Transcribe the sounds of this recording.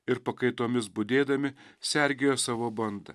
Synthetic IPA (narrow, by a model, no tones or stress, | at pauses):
ɪɾpɐkɐɪt̪oːmʲɪsbʊd̪ʲeːd̪ɐmʲɪsʲɛɾʲɡʲejoːsɑːʋoːbɐnd̪ɐ̰